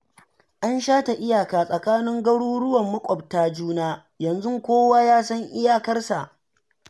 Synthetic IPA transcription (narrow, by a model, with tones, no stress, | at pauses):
ʔa˦nʃaː˦ta˨ʔɪ˦jaː˨kaː˨sʼɐ˨kaː˦nɪ˦ŋɡɐ˦ɽuː˦ɽʊ˦wɐ˨mːɐ˦kʷʼɔ˨b̚taː˦d͡ʒuː˦naː˦ | jɐ˨nzʊ˦ŋkʷoː˦waː˦jaː˦sɐ˦ŋʔɪ˦jaː˦kɐ˦rsa˨ʔ